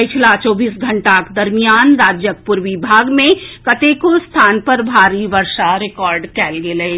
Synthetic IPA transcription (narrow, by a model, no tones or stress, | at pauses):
t͡ʃʰlat͡ʃɔːbiːsɡʱɐɳʈaked̪ɐɾmijaːnɾaːd͡ʒjək̚pʊɾʋɪbʱaːɡmẽkɐt̪ekost̪ʰaːnpəɾbʱaːɾiʋəɾʃaɾɪkɔːɾɖkɛːlɡelee